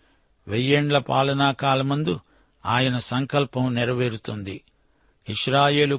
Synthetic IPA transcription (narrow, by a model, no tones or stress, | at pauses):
ʋejːeɳɖlɐpaːlɐnaːkaːlɐmund̪u | aːjɐnɐsɐŋkɐlpɐmnɛɾɐʋeːɾut̪und̪i | iʂɾaːje̞ːlu